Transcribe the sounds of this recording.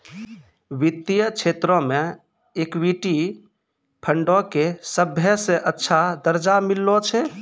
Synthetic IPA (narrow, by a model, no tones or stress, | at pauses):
ʋit̪ːijət͡ʃʰet̪ɾɔ̃me | ekwiʈi | pʰəɳɖɔkesəbʱjəsẽʔətːʃʰad̪əɾd͡ʒamilːɔt͡ʃʰɛ